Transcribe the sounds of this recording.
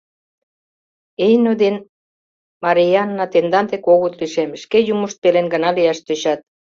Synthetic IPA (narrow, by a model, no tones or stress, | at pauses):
ejnod̪en | mɑɾiɑnːɑt̪end̪ɑnt̪ekoɣot̪liʃemʃkejumuʃt̪̚pelenɡə̆nɑliɑʃt̪øɕɑt̪̚